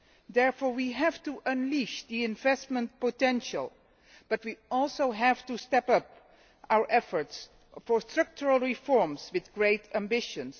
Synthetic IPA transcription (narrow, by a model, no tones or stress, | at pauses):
dɛɹfɔɹwiɦævtuʔə̃nliʃdiɪ̃nvɛstmə̃nt̚potɛ̃nʃə̰lˠ | b̥ʌt̚wiɔlˠsoʊɦæv̥tustɛpʌp | ʔawə˞ʔɛfəɹts | fɔɹstɹ̥ʌk̚t͡ʃəɹəlˠɹifɔɹmswɪðɡɹeɪtʰæ̃mbɪʃə̃ns